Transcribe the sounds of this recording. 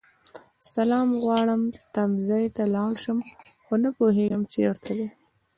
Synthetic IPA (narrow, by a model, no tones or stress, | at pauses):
salɑːmɣwɑɽəmt̪amzɑjt̪alɑɽʃəmxonapoɦeɡəmt͡ʃewəɾt̪ʰaw̪e